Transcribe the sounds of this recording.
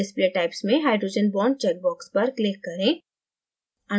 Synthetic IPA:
ɪspleʈaɪpsmẽɦaːɪɖɾoːd͡ʒənbɔːɳɖ̚t͡ʃɛk̚bɔːkspɐɾklɪkːɐɾẽː | ɐ

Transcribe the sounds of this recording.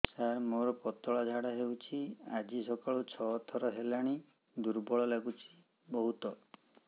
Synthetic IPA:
saɾmoɾɔpɔt̪ɔɭad͡ʒʱaɽaɦeut͡ʃʰiad͡ʒisɔkaɭut͡ʃʰɔːt̪ʰɔɾɔɦelaɽ̃i | d̪uɾbɔɭɔlaɡut͡ʃʰi̥ | bɔɦut̪ɔ

